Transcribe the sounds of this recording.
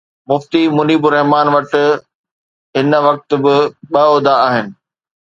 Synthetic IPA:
mʊft̪imʊniːbʊɾɐɦmaːnʋɐʈ̆ | ɦɪnʋɐk̚t̪̆bɪɓɐɔːd̪aːɦɪnɪ̆

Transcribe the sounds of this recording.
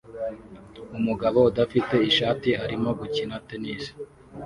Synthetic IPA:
umuɡaβo̞udafite̞iʃaːtiɦaɾimo̞ɡucinate̞niːsi̥

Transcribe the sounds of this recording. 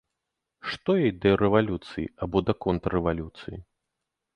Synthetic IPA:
ʂt̪ɔjɛjd̪ɐɾɛvalʲut̪sɨjḭabɔd̪ɐkɔnt̪ɛvalʲut̪sɨji

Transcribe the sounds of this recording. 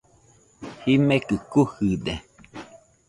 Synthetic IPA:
himekɨkuhɨd̪e

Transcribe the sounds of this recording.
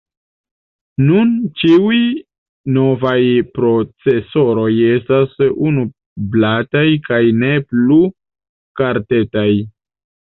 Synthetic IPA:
nunt͡ʃiuj | no̞vajpɾo̞t͡se̞so̞ɾo̞je̞stasunu | blatajkajne̞plu | kaɾte̞taj

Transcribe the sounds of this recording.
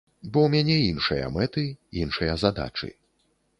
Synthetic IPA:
bɔwmʲanʲɛinʂɨjɐ̰mɛt̪ɨinʂɨjɐzad̪a̰t͡ʂɨ̰

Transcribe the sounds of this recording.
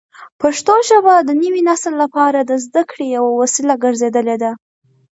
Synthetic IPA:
paʂt̪oʒəbad̪ənəwinaslːapɑɾad̪əzd̪akɽejawawasilaɡəɾzed̪əled̪a

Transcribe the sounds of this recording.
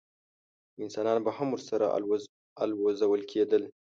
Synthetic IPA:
ɪnsɑnɑnbahamuɾsaɾa̰ | alwozawəlkʰed̪əl

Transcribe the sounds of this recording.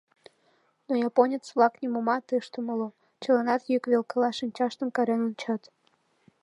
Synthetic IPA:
nojɑponʲət͡sβlˠɑknʲimomɑt̪əʃt̪oməlo | t͡ɕəlɑnɑt̪jykβʲelkəlɑʃɨnʲt͡ɕɑʃt̪əmkɑɾenonʲt͡ɕɑt̪

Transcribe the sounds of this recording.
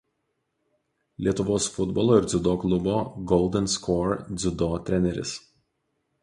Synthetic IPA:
lʲiɛt̪ʊʋoːsfʊd̪bɔlˠoːɪɾd̪zʲʊd̪oːklˠʊboːɡɔʊlˠd̪ʲɛnskoːɾd̪zʲʊd̪oːt̪ʲɾʲɛnʲɛɾʲɪ̰s

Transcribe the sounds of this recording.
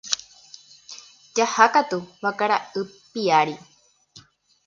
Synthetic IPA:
d͡ʒahakat̪uβakaɾaɨpiaɾi

